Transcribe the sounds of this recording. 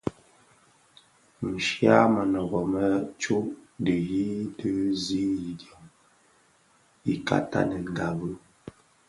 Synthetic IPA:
n̩˨ʃja˦mə˨nə˨ɣɔ˨mə˦t͡ʃo˦də˨ji˦də˦zi˦ji˨djɔ˨ŋ | i˨ka̰˦ta̰˦nə˨ŋ˨ɡa˨bə˦

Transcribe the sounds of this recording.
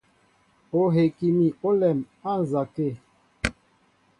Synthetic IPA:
o˨ɦe˨ki˨mi˨o˦lɛ˨m | a˦˨n˨za˨ke˦˨

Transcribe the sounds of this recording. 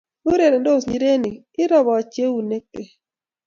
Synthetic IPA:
u˦ɾe˨ɾe˨ndo˦˨sɲi˨˦ɾe˦ni˨ | ɪ˦ɾɔ˦bɔ˨a˨t͡ʃje˦wu˨ne˦ke˨

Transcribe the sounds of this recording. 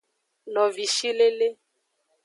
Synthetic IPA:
lɔ˨vi˨ʃi˦le˦le˦

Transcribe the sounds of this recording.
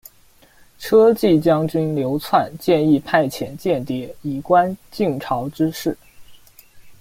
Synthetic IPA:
ʈ͡ʂʰɤ˥t͡ɕi˥˩t͡ɕjɑ˥ŋt͡ɕy˥nljo˧˥ʊt͡sʰwa˥˧nt͡ɕjɛ˥˧ni˥˧pʰa˥˩ɪt͡ɕʰjɛ˧˥nt͡ɕjɛ˥˩nt̪jɛ˧˥i˨˩kwa˥nt͡ɕi˥˩ŋʈ͡ʂʰɑ˧˥ʊʈ͡ʂɻ̩˥ʂɻ̩˥˩

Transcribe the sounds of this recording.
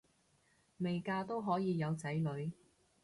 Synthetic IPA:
me˨jkaː˧t̪o˥wɦɔː˨˥jiː˨˧jɐ˨˧wt͡sɐ˨˥jlɵ˨˧ɥ

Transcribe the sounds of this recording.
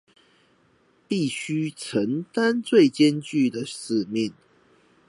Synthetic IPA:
pi˥˨ɕy˥t͡sʰə˨˦ŋt̪a˦nt͡swe˥˨ɪt͡ɕɛ˦nt͡ɕy˥˨d̪ə˩ʂɹ̩˨˩mi˥˨n

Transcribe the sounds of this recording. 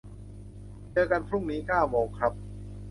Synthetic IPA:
t͡ɕɤː˧ka˧npʰɾu˥˩ŋniː˦˥kaː˥˩wmoː˧˩kʰɾa˦˥p̚

